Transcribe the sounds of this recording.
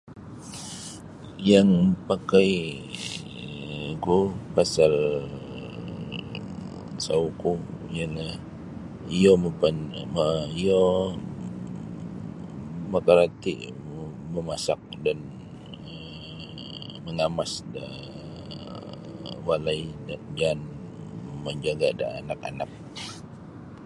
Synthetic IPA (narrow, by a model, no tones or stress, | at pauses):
jaŋpakaj | kupasal | saukuijalah | ijoməpanmaijo | məkaɾat̪ḭʔ | məmasak̚dan | ə | məŋamasda | walaidand͡ʒan | məɲd͡ʒaɡada̰ːnaka̰nak̚